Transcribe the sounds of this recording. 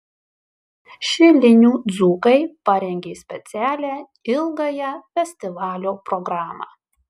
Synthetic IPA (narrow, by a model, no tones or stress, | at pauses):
ʃʲɪlʲɪnʲuːd̪zuːkɐɪpɐɾʲɛŋʲɡʲeːsʲpʲɛt̪sʲæːlʲæː | ɪlˠɡɐjɛfʲɛsʲt̪ʲɪʋɑːlʲoːpɾɔɡɾɑːmɑ̰ː